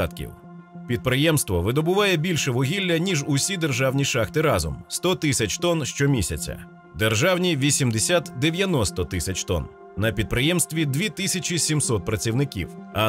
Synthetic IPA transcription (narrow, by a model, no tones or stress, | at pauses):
ɑt̪kʲḭw | pʲid̪̚pɾɪjɛmst̪ʋɔʋɪd̪ɔbʊʋɑjɛbʲilʲʃɛʋɔɦʲilʲːɐnʲiʒʊsʲid̪erʒɑwnʲiʃɑxt̪ɪɾɑzɔ̰mst̪ɔt̪ɪsʲɐt͡ʃʲt̪ɔnʃt͡ʃɔmʲisʲɐ̰t͡sʲɐ̰ | d̪erʒɑwnʲiʋʲisʲimd̪esʲat̪d̪eʋʲjɐnɔst̪ɔt̪ɪsʲɐt͡ʃt̪ɔ̰n | nɐpʲid̪̚pɾɪjɛmst̪ʋʲid̪ʋʲit̪ɪsʲɐt͡ʃʲisʲimsɔt̪̚pɾɐt͡sʲiwnɪkʲḭwɐ